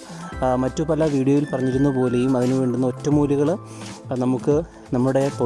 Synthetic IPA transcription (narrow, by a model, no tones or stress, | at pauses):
mɐtːupɐlɐʋiːɽijoʋilpɐrɐɲːiɾunːupo̞ːle̞jumɐðinuʋeːɳɖunːɐo̞tːɐmuːliɣɐɭ | nɐmukːɨ | nɐmːuɽe̞po